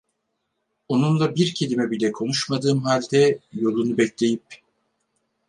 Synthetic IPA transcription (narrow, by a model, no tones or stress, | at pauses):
o̞nunlˠabiɾcʰe̞lʲimɛbilʲɛkʰo̞nuʃmad̪ɯːmɦalʲd̪ɛjo̞lˠunubɛclʲe̞jip̚